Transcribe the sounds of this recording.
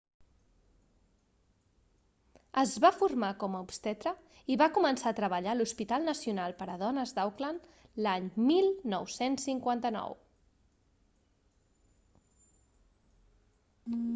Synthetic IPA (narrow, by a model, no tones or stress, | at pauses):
əzβafurmakɔməupst̪ɛt̪ɾə | iβakumənsaːt̪ɾəβəʎaluspit̪alˠnəsiunalˠpəɾəðɔnəzd̪awklan | laɲmilˠnɔwsensːiŋkwant̪ənɔ̰w